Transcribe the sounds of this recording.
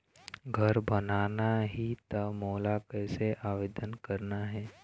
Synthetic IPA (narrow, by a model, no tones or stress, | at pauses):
ɡʱəɾbənaːnaɦit̪ɐmoːlakɛːseʔaːʋeːd̪ənkəɾnaɦɛː